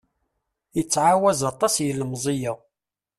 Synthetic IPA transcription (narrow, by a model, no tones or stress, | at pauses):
jət͡sːʕawæzɑt̪ˤɑsjəlmzˤijə